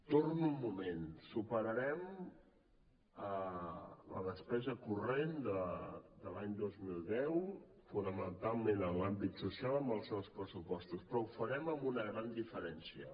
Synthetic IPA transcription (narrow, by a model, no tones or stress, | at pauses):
t̪oɾnumːumensupəɾəɾɛm | ə | lə̰ðəspɛzəkurend̪əd̪əlaɲd̪ozmilˠd̪ɛwfunəmənt̪alˠmẽnənlambit̪susialˠəmbəlˠsɛwspɾəsupɔst̪uspɾɔufəɾɛməmbunəɣɾand̪ifəɾɛnsiə